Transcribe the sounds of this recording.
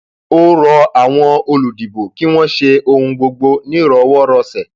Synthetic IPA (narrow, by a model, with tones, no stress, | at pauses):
o˦ɾɔ˧a˨w̃ɔ̃˧o˧lu˨di˨bo˨ki˦w̃ɔ̃˦ʃe˧o˧hũ˧ɡ͡bo˧ɡ͡bo˧nĩ˦ɾɔ˧˦wɔ˦ɾɔ˧sɛ˨